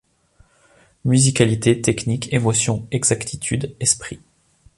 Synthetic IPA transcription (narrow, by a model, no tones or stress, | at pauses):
myzikʲalit̪et̪ɛknikʰemɔsjɔ̃ɛɡzakt̪ʰit̪ʰyd̪ɛspχi